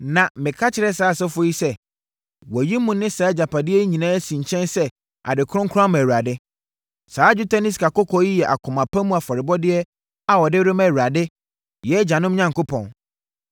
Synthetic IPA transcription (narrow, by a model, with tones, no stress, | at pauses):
nã˨mɪ̃˨kʰa˦t͡ɕʰɪ˨ɾɛ˦saː˦˨sɛ˦fʊ˦ji˦sɛ˦ | wɔ˨ji˦mũ˨nɪ̃˦sa˨˦d͡ʑa˨pʰa˨dɪ˦ɛ˦ɲĩ˨nãː˦æ˦sĩ˨ɲ̩˨t͡ɕʰɛ̃˦nsɛ˦ | ʔa̰˨dɪ˨kʰʊ˦ʊ̃˦ŋkʰã˦m˨æ˨ɥa˨dɪ˦ | saː˨˦d͡ʑu˦tʰa˦nɪ̃˦skʰa˨kɔ˦kʰɔ˨˦ji˦jɛ˨ʔa̰˨kʰʊ̃˨mã˨pʰã˦mũ˦a˨fɔ˨ɾɪ˨bɔ˦dɪ˦ɛ˦ | a˨wɔ˨dɪ˦ɾʊ˦mæ˨ɥu˨ɾa˨dɪ˦ | jɛ˦d͡ʑã˨nʊ̃˦m˦ɲã˦ŋ˨kʊ˦pʰɔ̃˨n